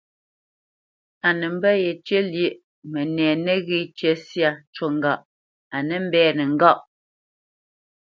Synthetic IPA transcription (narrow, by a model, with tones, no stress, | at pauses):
a˨nɛ˨m̩˦bɛ˦je˨t͡ʃə˦ljə˦˨ʔ | mɛ˨nɛː˨nɛ˦ɣi˦˨t͡ʃe˦sja˦˨t͡ʃo˨ŋ̩˦ɡa˨ʔ | a˨nɛ˦m̩˦bɛː˦nə˨ŋ̩˦ɡa˦˨ʔ